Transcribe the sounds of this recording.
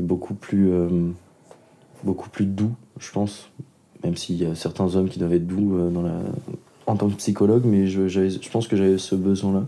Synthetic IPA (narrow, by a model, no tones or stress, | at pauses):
ɛbokʰuplyøm | boku̥plyd̪uʒ̥əpɑ̃s | mɛmsiljasɛʁt̪ɛ̃zɔmkʲid̪wavɛt̪d̪uød̪ɑ̃la̰ | ɑ̃t̪ɑ̃kpsikɔlɔɡmɛʒəʒavɛʒəpɑ̃skəʒavɛsəbəzwɛ̃la